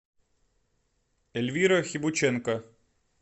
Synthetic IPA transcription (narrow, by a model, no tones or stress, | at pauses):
ɛlʲʋʲiɾɐxʲibʊt͡ʃɛnkɐ